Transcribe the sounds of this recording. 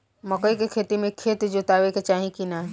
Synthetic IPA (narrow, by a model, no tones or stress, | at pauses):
mɐkoikekʰeːt̪imẽkʰːeːt̪d͡ʑot̪aːʋeket͡ʃaːɦĩkina